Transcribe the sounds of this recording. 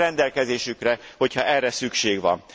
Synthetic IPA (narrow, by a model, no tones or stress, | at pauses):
ɛnd̪ɛlkɛzeːʃykrɛho̞chɒʔɛrːɛsykʃeːɡʋɒ̰m